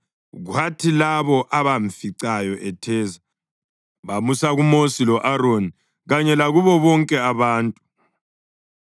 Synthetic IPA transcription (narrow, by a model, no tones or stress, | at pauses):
ɣwatʰilaβɔʔaβaɱfiǀajɔʔɛtʰɛːza | βamusaɣumosilɔʔaɾoni | ɣaɲɛlaɣuβɔβɔŋkʼɛaβaːntʼu